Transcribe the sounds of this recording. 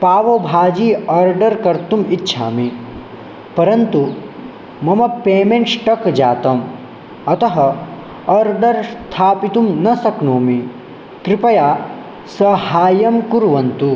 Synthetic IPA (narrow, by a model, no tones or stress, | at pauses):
paːʋobʱaːd͡ʒiːɐɾɖɐɾkɐɾt̪umitːʃʰa̰ːmi | pɐɾɐnt̪u | mɐmɐpeːmẽɳʈsʈɐkd͡ʒaːt̪ɐm | ɐt̪ɐɦɐ | ɐɾɖɐɾst̪ʰaːpit̪umnɐsɐknoːmi | kɾipɐjaː | sɐhaːjɐmkuɾʋɐnt̪u